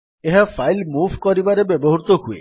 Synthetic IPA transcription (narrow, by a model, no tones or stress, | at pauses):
eɦafajlmuvʱkɔɾibaɾebɛboɦuɾt̪oɦuḛ